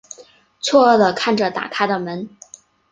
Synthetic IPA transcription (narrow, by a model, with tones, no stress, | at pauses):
t͡sʰwɔ˥˧ə˥˩d̪ə˩kʰa˥˩nʈ͡ʂə˩t̪a̰˨˩kʰa˥ɪd̪ə˨mə˧˥n